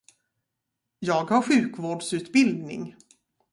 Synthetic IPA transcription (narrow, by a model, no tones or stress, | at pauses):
jɑːɡhaɾɧʉ̟ːkvoːɖsʉ̟ːt̪bɪld̪nɪ̰ŋ